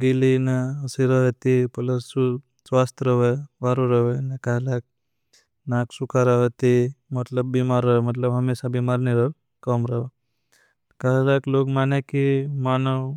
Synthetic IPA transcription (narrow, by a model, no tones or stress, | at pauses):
ɡilinaəsiɾəʋət̪ipələsu | sʋast̪ɾəʋəjʋaɾuɾəʋəjnakaɦlak̚ | naksukaɾaʋət̪imət̪ləbːimaɾəmət̪ləbɦəmesabimaɾneɾə | kəmɾəʋ | kaɦlaklokmanakimanəw